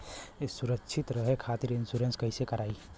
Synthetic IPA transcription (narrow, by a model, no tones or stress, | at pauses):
ɪsuɾəkʃʰɪt̪ɾəɦekʰaːt̪iɾɪnsuːɾenskɐɦisekɐɾaːi